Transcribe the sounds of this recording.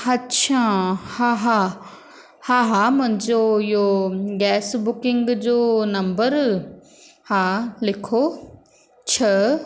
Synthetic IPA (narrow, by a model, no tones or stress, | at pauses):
ɐtːʃʰaːhãːɦã | hãːɦamʊ̃ɦɪ̃ɲd͡ʑoɪɦoɡɛːsbʊkɪ̃ŋɡd͡ʑoːnɐ̃mbəɾ | hãːlɪkʰoː | t͡ɕʰɐ